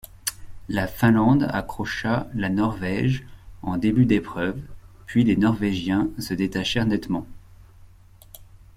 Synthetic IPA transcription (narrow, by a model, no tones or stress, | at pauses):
lafɛ̃lɑ̃d̪a̰kχɔʃalanɔʁvɛʒɑ̃d̪ebyd̪epχœvpɥilenɔʁveʒjɛ̃səd̪et̪aʃɛʁnɛt̪mɑ̃